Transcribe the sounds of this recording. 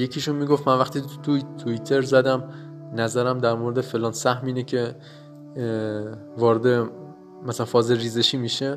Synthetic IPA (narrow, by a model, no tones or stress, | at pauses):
jecʰiːʃunmiːɡoft̪mænvæxt̪iːt̪ʰut̪ʰuit̪ʰe̞ɾzæd̪æm | næzæɾæmd̪æɾmoɾed̪efe̞lɒːnsæhmiːnecʰe̞ | vɒːɾed̪e̞ | mæsælænfɒːzelɾiːzeʃiːmiʃe